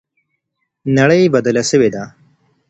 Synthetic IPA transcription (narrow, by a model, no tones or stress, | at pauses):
nɐɽəjbɐd̪əlasəwed̪a